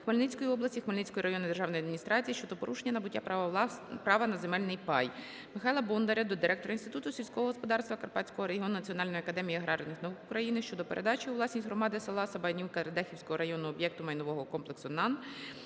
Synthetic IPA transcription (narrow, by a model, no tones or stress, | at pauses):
xmɐlʲnɪt͡sʲkɔjiɔblˠɐsʲtʲixmɐlʲnɪt͡sʲkɔjiɾʔɐjɔnɪd̪erʒɑwnɔjɐd̪mʲinʲist̪ɾɑt͡sʲijiʃt͡ʃɔd̪ɔpɔɾʔuʃenʲːɐnɐbʊtʲːap | pɾɑʋɐnɐzemɛlʲnɪjpɑj | mɪxɑjlˠɐbund̪ɐɾʲɐd̪ɔd̪ɪɾʔɛk̚t̪ɔɾɐinst̪ɪt̪ut̪ʊsʲilʲsʲkɔɦɔɦɔspɔd̪ɑrst̪ʋɐkɐrpɑtʲt͡sʲkɔɦɔɾeɦɪɔnʊnɐt͡sʲiɔnɑlʲnɔjiɐkɐd̪ɛmʲijiɐɦɾɑʒɔnɪxnɐʋukʊkɾɐjinɪʃt͡ʃɔd̪ɔpeɾʔed̪ɑt͡ʃɪuʋlˠɑsʲnʲisʲɦrɔmɑd̪ɪsɐlˠɑsɐbɐnʲiwkɐt̪ɾɐd̪ɛxʲiwsʲkɔɦɔɾɐjɔnʊɔbjɛk̚t̪ʊmɐjnɔʋɔɦɔkɔmplˠeksʊnɑn